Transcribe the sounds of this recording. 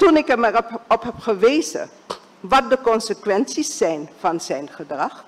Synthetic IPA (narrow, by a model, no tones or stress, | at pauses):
tunɪkɛmɛrɔpɦɛpχəʋejzə̰ | ʋɑt̚dəkɔnsəkʋɛnsisːɛjnv̥ɑnzɛjnχədrɑχ